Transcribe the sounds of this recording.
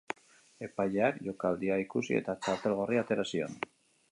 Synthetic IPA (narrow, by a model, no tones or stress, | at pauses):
e̞pajeakʝo̞kald̪iaikusḭe̞̰t̪at͡ʃaɾt̪e̞lɣo̞riat̪e̞ɾasio̞̰n